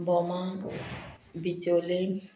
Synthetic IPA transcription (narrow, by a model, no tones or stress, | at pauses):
bɔmã | bitole